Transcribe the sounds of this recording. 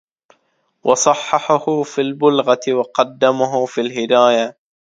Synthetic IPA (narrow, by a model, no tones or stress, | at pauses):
wʔɑsˤɑħːɑħʊhʊfilbʊlɣat̪ɪwɑqɑd̪ːamaɦʊfilɦɪd̪aːja